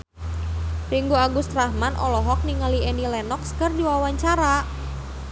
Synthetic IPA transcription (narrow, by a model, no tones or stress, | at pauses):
riŋɡuaɡust̪rahmanʔɔlɔɦɔk̚niŋaliɛnilɛnɔkskərdiwawaɲt͡ʃaɾa